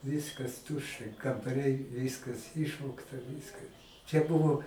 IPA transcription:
ˈʋʲɪskɐs ˈtʊʃʲt͡ʃʲɛ kɐmbɐˈrʲɛɪ ˈʋʲɪskɐs ˈɪʃʋoːktɐ ˈʋʲɪskɐ t͡ʃʲɛ ˈbʊʋoː

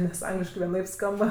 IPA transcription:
nʲɛs ˈɐŋɡlʲɪʃkɐɪ ʋʲiɛˈnɐɪp ˈskɐmbɐ

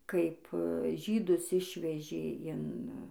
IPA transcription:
ˈkɐɪp ˈʒʲiːdʊs ˈɪʃʲʋʲɛʒʲeː ɪn

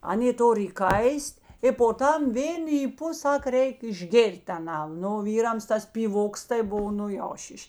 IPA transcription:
ˈɑːˌnʲeː ˈtoːr iːˈkɐɪsʲtʲ ɪ poː ˈtɐm ˈʋʲeːn iːˈpʊ ˈsɐk ˈrʲɛɪk ɪʒʲˈɡʲeːrʲtʲ ɐˈnɐn ˈnʊ oː ˈʋʲiːrɐms ˈtɐs pʲiːˈʋoːks tɐɪ ˈbʊw ˈnʊ jɛʊ ˈʃʲiːʃʲ

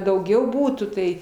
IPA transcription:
dɐʊˈɡʲɛʊ ˈbuːtuː tɐɪ

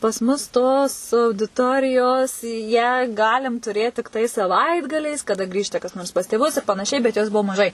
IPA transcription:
pɐs ˈmʊs toːs ɐʊdʲɪˈtoːrʲɪjoːs jæː ˈɡɑːlʲɪm tʊˈrʲeːt tʲɪkˈtɐɪ sɐˈʋɐɪdɡɐlʲɛɪs kɐˈdɐ ˈɡrʲiːʃtɐ kɐs ˈnoːrs pɐs tʲeːˈʋʊs ɪr pɐnɐˈʃʲɛɪ bʲɛt jˈoːs ˈbuɔ mɐˈʒɐɪ

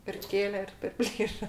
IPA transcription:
ɪr ˈkʲeːlʲɛ ɪr pʲɛrʲˈpʲlʲiːʃɐ

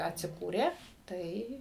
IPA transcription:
ɐtʲsʲɪˈkuːrʲeː ˈtɐɪ

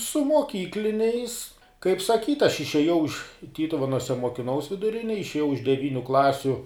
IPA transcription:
sʊ moːˈkʲiːklʲɪnʲɛɪs kɐɪp sɐˈkʲiːtʲ ɐʃ ɪʃʲeːˈjɛʊ ɪʃ ˈtʲiːtʊʋʲɛnuɔsʲɛ moːkʲɪˈnɐʊs ʋʲɪdʊˈrʲɪnʲeːj ɪʃʲeːˈjɛʊ ɪʃ dʲɛˈʋʲiːnʲʊ ˈklˠɑːsʲʊ

